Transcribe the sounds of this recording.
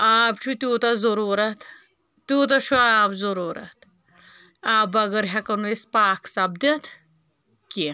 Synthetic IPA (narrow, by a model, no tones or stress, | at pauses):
aːpt͡ʃʰut̪ʲuːt̪ɐzoɾuːɾɐt̪ | t̪uːt̪ɐt͡ʃʰuaːpzɐɾuːɾɐ̰t̪ | aːbɐɡəɾɦakɐnuʋespaːksɐbd̪ɐt̪ʰ | ki